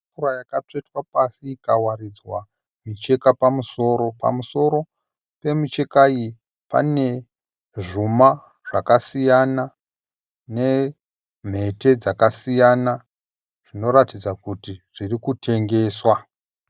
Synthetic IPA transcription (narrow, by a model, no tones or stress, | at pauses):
uɾajakat͡ʂetwapasiːkawarid͡zwa | mit͡ʃe̞kapamuso̞ɾo̞pa̰muso̞ɾo̞ | pe̞mit͡ʃe̞kaji | pa̰ne̞ | ʐuma | ʐ̥akasijana | ne̞ | m̤e̞te̞d͡zakasijana | ʐ̥ino̞ɾatid͡zakutiʐ̥irikutʰe̞ŋɡe̞ːswa